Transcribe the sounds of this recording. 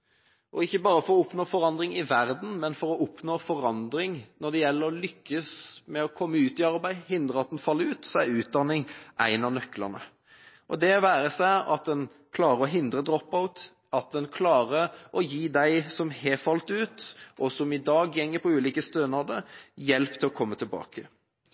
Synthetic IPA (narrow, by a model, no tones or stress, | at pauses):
ʔɔɪçːəbɑːɾəfɔɾɔʊpnoːfɔɾɑnd̪ɾɪŋɪʋæɾd̪n̩mɛnfɔɾɔʔʊpnoːfɔɾɑnd̪ɾɪŋnɔɖ̪ɛjɛlːəɾɔlʏkːəsmɛɔkʰɔmːəʉːt̪ɪɑɾbæɪhɪnd̪ɾəɑt̪̚d̪ɛnfɑlːəɾʉːt̪sɔæɾʉːt̪̚d̪ɑnːɪŋʔæɪnɑnœkːlə̰nə̰ | ʔɔd̪ɛʋæːɾəsæɪɑt̪̚d̪ɛn | kʰlɑːɾəɾɔɦɪnd̪ɾəd̪ɾɔpːaʊt̪ | ɑt̪̚d̪ɛnkʰlɑːɾəʔɔjiːd̪æɪsɔmhɛfɑlt̪ʉːt̪ʔɔsɔmɪd̪ɑːɡjɛŋːəpʰɔʉːliːkəst̪øːnɑd̪əjɛlpt̪ʰɪlɔkʰɔmːət̪ʰɪlbɑ̰ːkə